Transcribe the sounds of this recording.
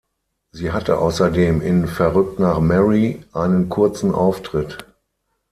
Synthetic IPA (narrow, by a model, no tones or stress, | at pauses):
ziːɦatʰə̰ʔa̰ʊsɐdeːmɪnfɛɐʁʏk̚tnaːχmɛʁiʔaɪnənkʰʊɐt͡sn̩ʔaʊftʁ̥ɪt